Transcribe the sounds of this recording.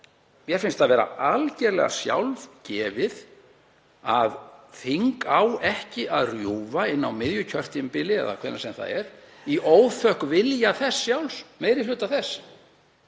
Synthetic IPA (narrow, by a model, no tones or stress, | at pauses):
mjɛɾ̥fɪnst̪ʰavɛːɾa̰alcɛɾlɛ̰ɣa̰sja̰wlvcɛːvɪð | aðθiŋkawɛhcɪʔaðrjuːvaɪnːawmɪðjʏcʰœr̥t̪ɪmpɪlːɪɛ̰ða̰kʰvɛɾnasɛmθa̰ðɛ̰ɾ̥ | iʔoːwθœhkvɪljaθɛsːjawlsmeːjɾɪlʏːt̪aθɛs